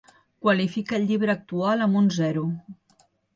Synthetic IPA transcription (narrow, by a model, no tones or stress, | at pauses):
kwəlifikəːʎʎiβɾəːk̚t̪ualˠəmbunzɛɾu